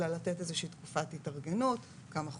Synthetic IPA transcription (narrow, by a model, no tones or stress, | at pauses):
alːatetezeʃiːt̪kufatitaʁɡenut | kamaχ